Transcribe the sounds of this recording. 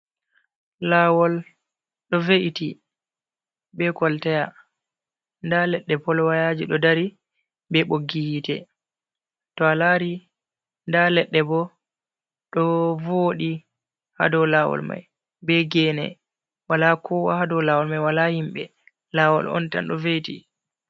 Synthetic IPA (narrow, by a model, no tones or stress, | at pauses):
lawɔl | ɗɔveʔiti | bɛkɔltɛja | ndalɛɗːɛpɔlwajad͡ʒiɗɔdaɾi | bɛɓoɡːihitɛ | tɔalaɾi | ndalɛɗːɛbɔ | ɗɔvoɗi | ha̰dɔwlawɔ̰lma̰j | bɛɡɛnɛ̰ | walakʰɔwa̰hadɔwlawɔlmajwalahimɓɛ | lawɔ̰lɔ̰nta̰nɗɔvetḭ